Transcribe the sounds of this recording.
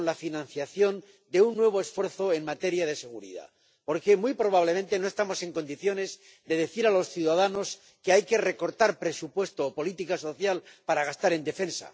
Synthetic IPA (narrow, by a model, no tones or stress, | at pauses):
lafinãnθjaθjo̞n | d̪e̞unːwe̞β̞oe̞sfwe̞ɾθo̞e̞ŋmat̪e̞ɾjað̞e̞se̞ɣuɾḭða̰ | po̞ɾke̞mwujpɾo̞β̞aβ̞le̞ment̪e̞no̞est̪amo̞se̞ŋko̞nd̪iθjo̞ne̞z | d̪e̞ðe̞θiɾalo̞sθjuðaðano̞s | ke̞ajke̞re̞ko̞ɾt̪aɾpɾe̞supwe̞st̪oːpo̞lit̪ikaso̞θjalpaɾaɣ̞ast̪aɾe̞nd̪e̞fe̞nsa̰